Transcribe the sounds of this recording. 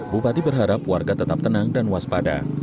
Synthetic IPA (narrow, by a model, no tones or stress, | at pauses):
bupat̪ibərɦaɾapwarɡat̪ət̪ap̚t̪ənaŋdanwaspada̰